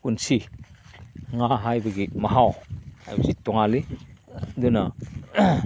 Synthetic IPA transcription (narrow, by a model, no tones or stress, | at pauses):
unsi | ŋaɦajbɐɡimɐɦawa̰jbzit̪ːɔŋali | d̪una